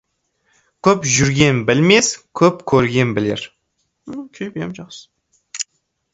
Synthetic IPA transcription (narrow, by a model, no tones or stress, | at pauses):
kʲʰɵpʒʏɾɡʲe̞nbɪlme̞skʲʰɵpkʲʰɵɾɡʲe̞nbɪleɾ̩ | kʲʰejbemʒɑqsə̥